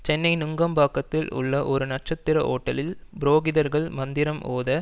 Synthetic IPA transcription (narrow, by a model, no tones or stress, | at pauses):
t͡ʃɛnːɐɪnʊŋɡɐmbaːkːɐt̪ːɪlʊ̰ɭːɐʔɔɾɯnɐʈ̚t͡ʃːɐt̪ːɪɾɐʔo̰ːʈːɐlɪlbɪɾoːɣɪðɐɾɣɐɭmɐnd̪ɪɾɐmoːðɐ